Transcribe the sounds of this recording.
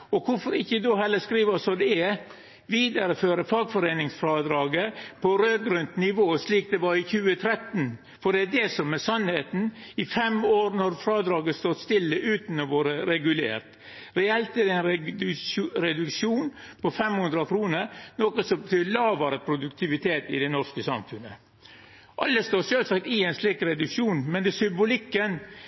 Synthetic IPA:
ɔkʰʊfɔɾɪçːəd̪oːɦɛlːəskɾiːʋɑsɔd̪ɛɛ | ʋiːd̪ɑɾəføːɾəfɑːɡfɔɾeːnɪŋsfɾɑd̪ɾɑːɡəpʰɔɾøːɡɾʉnt̪nɪʋoːsliːk̚d̪ɛʋɑɾɪçʉːət̪ʰɾɛt̪n̩ | fɔɖɛæd̪ɛsɔmːɛsɑnheːt̪n̩ɪfɛmoːɾnɔɾfɾɑːd̪ɾɑːɡəst̪ɔt̪st̪ɪlːəʔʉːt̪n̩ɔʋoːɾəɾɛɡʉlḛːɾt̪ | ɾɛɛlt̪ɛd̪ɛn | ɾɛd̪ʉkʂuːnpʰɔfɛmhʉnd̪ɾɑkʰɾuːnəɾnɔkəsɔbət̪ʰyːlɑːʋəɾəpʰɾʊd̪ʉk̚t̪ʰɪʋɪt̪ʰeːt̪ɪ̰d̪ɛnɔskəsɑ̰mfʉnə | ʔɑlːəst̪oːʂɛlsɑk̚t̪ɪɛɪnslɪk̚tɾɛd̪ʉkʂuːnmɛnd̪ɛsʏmbʊlɪkːən

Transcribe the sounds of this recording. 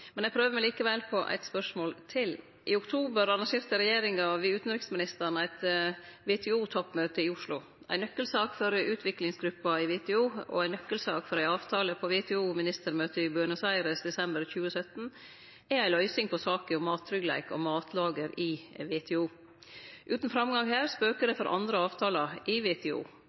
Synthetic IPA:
mɛnæɡpʰɾøːʋəmæɪliːkəʋɛlpʰɔʔæ̰ɪt̪spœʂmoːlt̪ʰɪl | ʔɪʊkt̪ʰuːbəɾɑnɑŋʃeːɾt̪əɾɛjeːɾɪŋɑʋɪʉːt̪n̩ɾɪksmɪnɪst̪əɳæɪt̪ʋet̪ʰɛuːt̪ʰɔpːmøːt̪əɪʊʂlʊ | ʔæ̰ɪnœkːəlsɑːkfɔɾʉːt̪ʰʋɪklɪŋsɡɾʉpːɑɪʋɛt̪ʰɛuːɔ̰æɪnœkːəlsɑːkfɔɾæɪɑːʋt̪ʰɑːləpʰɔʋet̪ʰɛuːmɪnɪst̪əɾmøːt̪əɪbøːɳəsæɪɾəsd̪ɛsɛmbəɾçʉːəsœt̪n̩ | ææɪlœʏsɪŋpʰɔsɑːkəʊmɑːt̪ʰːɾʏɡlæ̰ɪkɔ̰mɑːt̪ʰlɑːɡəɾɪʋeːt̪ʰɛuː | ʔʉːt̪n̩fɾɑmɡɑŋhæːɾspøːkəd̪əfɔɾʔɑ̰nd̪ɾəɑːʋt̪ʰɑːlɑʔɪʋeːt̪ʰɛṵː

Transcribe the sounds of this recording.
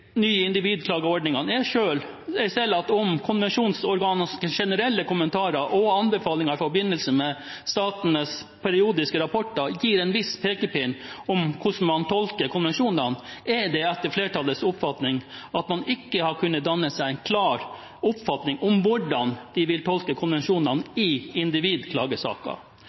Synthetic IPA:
nyːəɪnd̪ɪʋiːd̪kʰlɑːɡəɔɖnɪŋɑnɛʂøːl | ɛsɛlːɑt̪ɔmkʰʊnʋɛnʂuːnsɔɾɡɑːnəsʂɛnəɾɛlːəkʊmənt̪ʰɑːɾəɾʔɔɑnbɛfɑːlɪŋɑɾɪfɔɾbɪnːəlsəmɛ | st̪ɑːt̪nəs | pʰɛɾɪuːd̪ɪskəɾɑpʰɔʈːəɾjiːɾɛnʋɪspʰeːkəpʰɪnɔmkʰʊʂn̩mɑnt̪ʰɔlkəɾkʰʊnʋɛnʂuːnənɛɖɛɛt̪ːəɾfleːʈɑləsʊpfɑt̪nɪŋɑt̪mɑnɪkːəhɑɾkʰʉnːət̪d̪ɑnːəsæɪæɪnkʰlɑːɾ | ʊpfɑt̪nɪŋʔʊmʋʊɖɑnd̪̥ɪʋɪlt̪ʰɔlkəkʰʊnʋɛnʂuːnɑnɪɪnd̪ɪʋiːd̪kʰlɑːɡəsɑ̰ːkɑ̰

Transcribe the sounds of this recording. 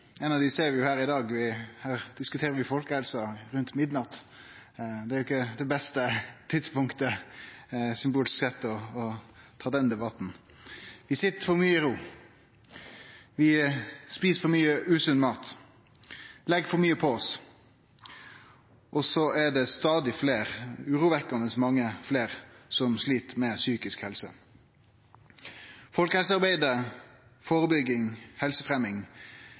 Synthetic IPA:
ɛnɑʋd̪ɪseːɾʋɪjʊhæːɾɪd̪ɑːɡʋɪhæːɾd̪̥ɪskʉt̪ʰeːɾəɾʋɪfɔlkəhɛlsɑɾʉnt̪mɪd̪nɑt̪ | d̪ɛæɾjʊɪkːəd̪ɛbɛst̪ət̪ʰɪd̪spʊŋkt̪ə | sʏmbuːlɪsksɛt̪ːɔːt̪ʰɑːd̪ɛnd̪ɛbɑt̪n̩ | ʋɪsɪt̪ːəfɔɾmyːəɾuː | ʋɪspiːsfɔɾmyːəʔʉːsʉnmɑːt̪ | lɛɡfɔɾmyːəpʰɔɔs | ʔɔsɔʔɛd̪ɛst̪ɑːd̪ɪfleːɾʉːɾuːʋɛkənəsmɑŋːəfleːʁsɔmsliːt̪əmɛsyːkɪskhɛlsə̰ | fɔlkəhɛls̬əɑʁbæɪd̪ə | fɔɾəbʏɡɪŋhɛlsəfʁɛmɪŋ

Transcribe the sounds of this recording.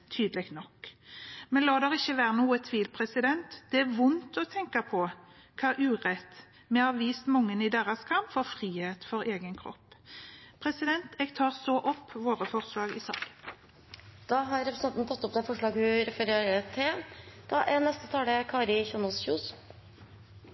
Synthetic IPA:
t̪ʰyːd̪əlɛɡ̚t̪nɔkː | mɛnlɑːd̪ɛɾɪçːəʋæːɾənuːət̪ʰʋiːlpʰɾɛsɪd̪ɛnt̪d̪̥ɛæʋʊnt̪ɔt̪ʰɛŋkɑpʰɔ | kʰɑːʔʉːʁɛt̪ː | mɛhɑʋiːst̪mʊŋːənɪd̪eːʁɑskʰɑmpfɔɾfʁiːheːt̪fɔɾeːɡənkʰɾɔ̰pːpʰʁɛsɪd̪ɛnt̪ʰɛːɡt̪ʰɑːʁsɔʔɔpːʋoːʁəfɔʁslɑːɡɪ̰sɑ̰ːɡ | d̪̥ɑɦɑɾɾɛpɾəsɛnn̩t̪ʰɑt̪ːɔp̚d̪ɛfɔʂɭɑːɡhʉɾɛfəɾeːɾəət̪ʰɪld̪̥ɑʔænɛst̪ət̪ʰɑːɽəkʰɑːɾɪçʉnɔlsçʉʊs

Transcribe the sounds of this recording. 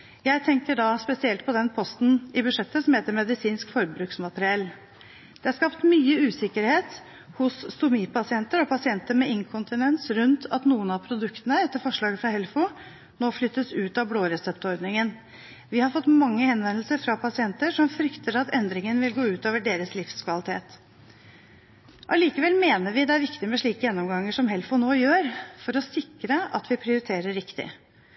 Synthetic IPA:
jæɪt̪ʰɛŋkəɖɑspɛsɪɛlt̪̚pʰɔd̪ɛnpʰɔst̪n̩ɪbʉʂɛt̪ːəsɔmheːt̪əɾmɛd̪ɪsiːnskfɔɾbɾʉːksmɑt̪ɾɪɛlː | d̪̥ɛhɑɾʂkɑpt̪myːəʉːsɪkːəɾheːt̪ | hʊsst̪ʊmiːpɑsɪɛnt̪əɾɔpʰɑsɪɛnt̪əɾmɛɪŋkʰʊnt̪ɪnɛnsɾʉnt̪ɑt̪nuːənɑpʰɾʊd̪ʉkt̪ənəɛt̪ːəɾfɔʂɭɑːɡəfɾɑhɛlfʊ | noːflʏt̪ːəsʉːt̪ɑbloːɾɛsɛpt̪ɔɾd̪nɪŋən | ʋɪhɑɾfɔt̪ːmɑŋːəhɛnʋɛnlsəɾfɾɑpʰɑsɪɛnt̪əʂɔmfɾʏkt̪ʰəɾɑt̪ɛnd̪ɾɪŋənʋɪlɡoːʉːt̪oːʋəɖeːɾəslɪfskʰʋɑlɪt̪ʰḛːt̪ | ʔɑliːkəʋɛlmeːnəɾʋɪd̪ɛæɾʋɪkt̪ɪmɛʂɭiːkəjɛnːɔmɡɑŋːəʂɔmɦɛlfʊnoːjøːɾfɔɾɔsɪkːɾəʔɑ̰t̪ʋɪpʰɾɪʊɾɪt̪ʰeːɾəɾɾɪkt̪ɪ̰

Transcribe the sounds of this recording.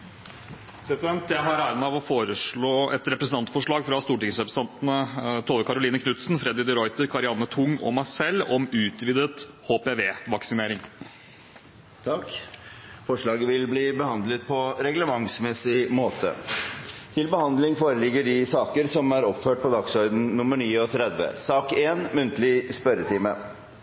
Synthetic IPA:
pʰɾɛsɪd̪ɛnt̪jæɪɦɑɾæːɾənɑʋɔfoːɾəʂɭoːɛt̪ɾɛpɾəsn̩ɑnt̪fɔʂɭɑːɡfɾɑst̪uːʈɪŋsɛpɾsɑnt̪nət̪ʰoːʋ̪əkʰɑɾʊliːnəkʰnʉt̪snfɾɛd̪ɪd̪ɪɾɔʏt̪əɾkʰɑɾɪɑnət̪ʰʊŋːɔ̰mɑsɛlːɔmʉːt̪ʋiːd̪ət̪ | hoːpeʋeːʋɑksɪneːɾɪŋ | t̪ʰɑk | fɔʂɭɑːɡəʋɪlbliːbəhɑnd̪lət̪̚pʰɔɾɛɡləmɑŋsmɛsɪmoːt̪ʰə̰ | t̪ʰɪlbəhɑnd̪lɪŋfoːɾəlɪɡːəɖɪsɑːkəɾsɔmæɾɔpføːʈ̚pʰɔd̪ɑksœʏd̪n̩nʊməɳiːɔt̪ʰɾɛd̪ʋə̰sɑːkeːnmʉnt̪əlɪspœɾət̪ʰɪːmə̰

